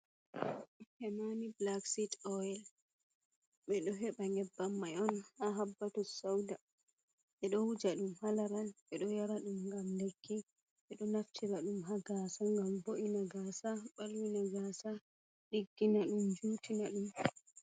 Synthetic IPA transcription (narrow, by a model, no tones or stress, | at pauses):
hɛmaniblaksitɔɛl | ɓɛɗɔɦɛɓaŋɡɛbːamːajɔnhaɦabːatɔsawda | ɓɛɗɔhud͡ʒaɗumhalaɾalɓɛɗɔjaɾaɗumŋɡamlekʰːi | ɓɛɗɔnaftʰiɾaɗumɦaɡaːsaŋɡamboʔinaɡasaɓalwinaɡasa | ɗiɡːinaɗumd͡ʒuːtʰinaɗum